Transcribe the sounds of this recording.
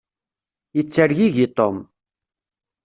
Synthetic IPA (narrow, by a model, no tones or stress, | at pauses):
jət͡sːəɾjiʝit̪ˤom